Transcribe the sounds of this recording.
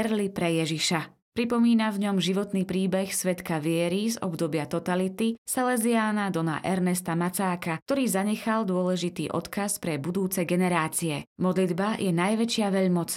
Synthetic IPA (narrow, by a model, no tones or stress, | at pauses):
ɛɾlipɾɛjɛʒiʃa | pɾipɔmiːnavɲɔmʒiʋɔt̪niːpɾiːbɛxsʋɛt̪kaʋɪɛɾizɔ̰bd̪ɔbɪat̪ɔt̪alit̪isɛlɛziaːnad̪ɔna̰ʔɛɾnɛst̪amat͡saːkakt̪ɔɾiːzaɲɛxald̪ʊɔlɛʒit̪ḭːʔɔt̪kaspɾɛbud̪uːt͡sɛɡɛnɛɾaːt͡siɛmɔd̪lid̪bajʔɛnajʋɛt͡ʃɪaʋɛʎmɔt͡s